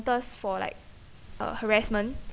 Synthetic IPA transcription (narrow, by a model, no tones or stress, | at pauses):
təsfɔla̰ɪk̚ | ʌ̰həɹɛsmə̃n